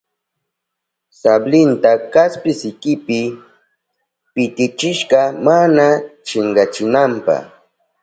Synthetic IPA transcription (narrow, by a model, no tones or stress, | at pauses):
sablɪnt̪akaspɪsɪkɪpɪ | pɪt̪ɪt͡ʃɪʃɢɑmanat͡ʃɪɴɢɑt͡ʃɪnampɑ̰χ